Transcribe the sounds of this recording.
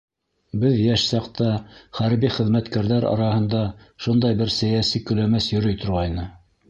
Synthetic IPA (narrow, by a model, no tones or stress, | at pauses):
bɘðjæʃsɑqt̪ɑχæɾbiχɘ̆ðmæt̪kæɾðæɾɑ̰ɾɑhɤ̆nd̪ɑ | ʃund̪ɑjbɘɾsæjæsikɵ̆læmæsjɵ̆ɾɵ̆jt̪ŏɾʁɑjnɤ